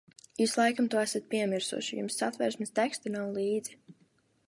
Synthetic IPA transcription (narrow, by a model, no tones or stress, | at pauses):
islˠajkamt̪uɔæsat̪̚pʲiɛmiɾsṵɔʃijṵmsːat̪vɛ̰ɾsmɪst̪ɛkst̪anawlˠiːd̪zi